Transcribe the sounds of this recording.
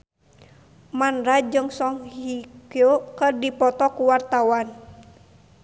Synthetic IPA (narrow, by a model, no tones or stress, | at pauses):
manɾad͡ʒɨŋsɔŋhikiokərdipɔt̪ɔkuwart̪awan